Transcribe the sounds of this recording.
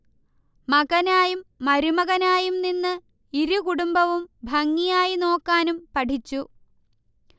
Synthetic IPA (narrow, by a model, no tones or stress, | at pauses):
mɐɣɐnaːjumːɐɾumɐɣɐnaːjumninːɨ | iɾukuɽumbɐʋumbʱɐŋːijaːjino̞ːkːaːnumpɐʈʰit͡ɕːu